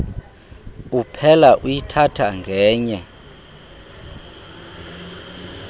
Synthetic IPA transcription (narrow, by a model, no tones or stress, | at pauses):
upʰɛlaʔujitʰatʰaŋɡʱɛːɲɛ